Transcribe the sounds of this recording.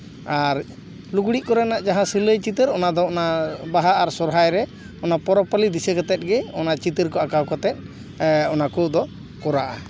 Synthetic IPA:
aɾ | luɡɽiʔkɔɾɛnaʔd͡ʒaɦãsiləjt͡ʃit̪əɾɔnad̪ɔɔnabaɦaʔaɾsɔɾɦajɾɛ | ɔnapɔɾɔpalid̪isəkɔt̪ɛt̪̚ɡɛɔnat͡ʃit̪əɾkɔakawkɔt̪ɛt̪̚ˀ | ɔnakɔd̪ɔ | kɔɾaʔa

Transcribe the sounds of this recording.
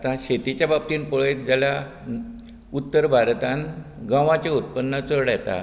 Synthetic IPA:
t̪ãɕet̪it͡ɕjabab̚t̪iːnpoɭet̪d͡zala | ut̪ːəɾbʱaɾt̪ãn | ɡãʋãt͡ɕeut̪̚pənːət͡səɽjet̪a̰

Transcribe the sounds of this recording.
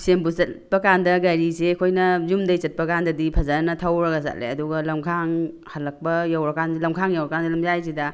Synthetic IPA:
sembusɐpɐkandɐɡɐɾisekʰojnɐzumdɐjt͡ʃɐt̚pɐkandɐdipʰɐzanɐtʰawɾɐɡɐsa̰t̚lḛɐduɡɐlɐmkʰaŋ | hɐlːɐk̚pɐjawɾɐkanlɐmkʰaŋjawɾɐkansilɐmzajsidɐ

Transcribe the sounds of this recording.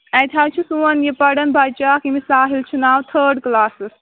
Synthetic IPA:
ɐjt̪ʰawt͡ʃʰisuɐnjepɐɽɐnbʱajt͡ʃaːkimisaːɦilt͡ʃʰunaːwt̪ʰəːɾɖklaːsɨs

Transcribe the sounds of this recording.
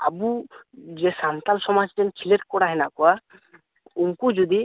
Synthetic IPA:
a̰bud͡ʒɛsant̪alsɔmad͡ʒtɛnkʰileɾkɔɽaɦɛnaʔkɔwa | umkud͡ʒud̪i

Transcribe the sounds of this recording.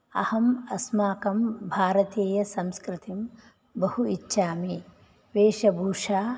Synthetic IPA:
ɐ̰hɐmɐsmaːkɐmbʱaːɾɐt̪eːjɐsɐmskɾɪt̪im | bɐhuitːʃaːmi | ʋeːʃɐbʱuːʂaː

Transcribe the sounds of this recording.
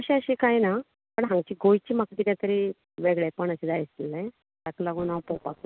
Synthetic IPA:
əɕĩəɕikajna | pəɳɦãŋɡt͡ɕiːɡojt͡ɕiːmakd̪id̪at̪əɾi | ʋeɡɭepəɳəɕid͡zajist̪ilẽ | t̪aklaɡuːnapowpakla

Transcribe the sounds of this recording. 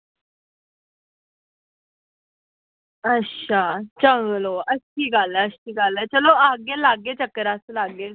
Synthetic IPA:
əɕat͡ɕə̃ŋɡloəsiːɡʱaləəɕiːɡʱalət͡ɕəloaɡelaɡet͡ɕəkːəɾasəlaɡe

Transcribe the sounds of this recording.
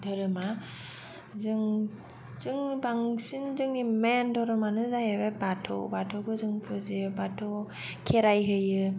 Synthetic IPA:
dɯɾɯma | zɯŋ | t͡ʃɯŋbaŋsinzɯŋnimendɔɾɯmanɯzajeβebatʰo̰wbatʰɔɡɯzɯŋpʰɯzibatʰo | kʰeɾajɦɯjɯ

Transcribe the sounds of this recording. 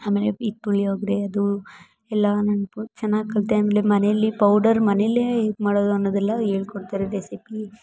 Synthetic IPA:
aːme̞ːleit̪ːuɭːioːɡid̪eɐd̪u | ɛlːɐnɐnut͡ʃɛnːaːɡkɐlt̪aːmeːlemɐneɐlːipɐwɖɐɾmɐneɐlːemaːɽoːd̪uɐnːoːd̪ɛlːɐeːɭkoɽt̪aːɾeɾesipi

